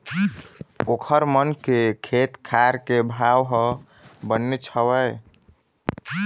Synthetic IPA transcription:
okʰəɾmənkekʰet̪kʰaɾkebʱawɦə | bənːet͡ʃʰəwəj

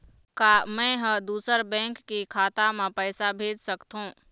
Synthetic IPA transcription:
kaːmɛ̃ɦəd̪uːsəɾbɛ̃ːŋkːikʰaːt̪amẽpɛːsabʱeːd͡ʒsəkt̪ɦũː

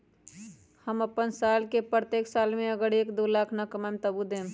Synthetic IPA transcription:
həməpənsaːlkepɾət̪eːksaːlmẽəɡəɽeːkd̪olaːkʰnakəmamt̪əbud̪ẽːm

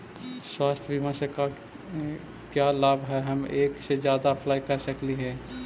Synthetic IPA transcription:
swaːst̪ʰbimãseka | kjalaːbʱɦɛɦɐmeːksed͡ʒjaːd̪apʰlaːikəɾsəkliɦɛ̃ː

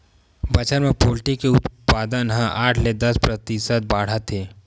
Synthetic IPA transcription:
bət͡ʃənmẽpoːlʈikeʊt̪paːd̪ənɦãʔaːʈʰled̪ɐspɾət̪ɪsət̪̚baːɽ̤ət̪ʰːeː

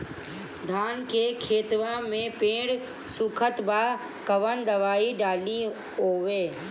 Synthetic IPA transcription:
d̪ʱaːnkʰeːkʰeːt̪ʋãmẽpẽːɽ | suːkʰət̪baː | kɐʋənd̪ɐʋaːiɖaːli | ɦoːʋeː

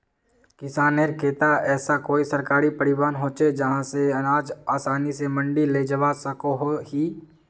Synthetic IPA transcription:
kɪsaːneɾkʰeːt̪aɛːsakoːisɐɾkaːɾipɐɾɪʋaːnɦoːt͡ʃed͡ʒɐɦãseɐnaːd͡ʒaːsaːnisemə̃ɳɖileːd͡ʒəʋasəkoɦoɦiː

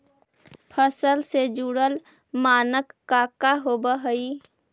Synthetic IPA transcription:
pʰəsəlsed͡ʒuɽəl | maːnəkːakaɦobəɦəi

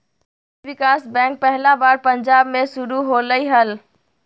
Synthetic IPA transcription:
ʋikasbɛ̃k̚pəɦlabaɾpəɲd͡ʒabmesuɾuɦoləjɦəl

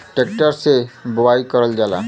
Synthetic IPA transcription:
ʈek̚ʈaɾsebowajkɔɾɔld͡ʑala̰

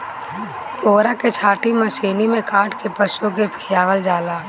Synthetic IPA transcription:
koːɾaket͡ʃʰaːʈiməsiːnimẽkaːʈkepəʃok̬epʰɪjaːʋəld͡ʒaːlaː

